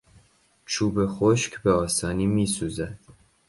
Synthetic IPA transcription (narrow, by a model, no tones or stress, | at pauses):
t͡ʃʰuːbe̞xoʃkʲbeɒːsɒːniːmiːsuːzæd̪̥